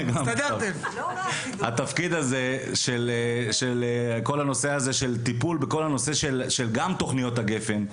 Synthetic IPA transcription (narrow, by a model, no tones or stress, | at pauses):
ɡamad̪aem | ha̰t̪afkid̪azeʃelʃelko̞lano̞se̞azeʃe̞lt̪ipulbeko̞lhano̞se̞ʃelʃelɡamt̪o̞χnijo̞t̪haɡe̞fe̞n